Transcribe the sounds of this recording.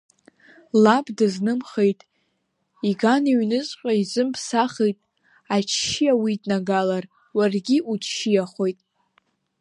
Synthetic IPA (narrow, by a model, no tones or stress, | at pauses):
labdɨznɨmχejtʼ | iɡaniɥnɨt͡sʼqʲʷʼaizɨmpʰsaχejtʼ | at͡ʃʰʃijawidnaɡalar | warɡʲiʔut͡ʃʰʃijaχʷojtʼ